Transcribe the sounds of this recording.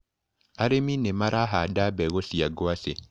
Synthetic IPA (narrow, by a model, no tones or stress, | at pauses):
aɾeminemaɾʔaɦadabɛɣosiaɡwase